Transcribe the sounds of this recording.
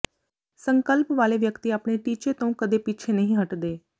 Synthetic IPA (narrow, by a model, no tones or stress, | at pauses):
sə̃ŋkəlpʋaːleʋjəkt̪iaːpɳ̃eʈiːt͡ʃet̪ɐ̃ũkəd̪epit͡ʃʰenɐɦĩɦɐʈd̪eː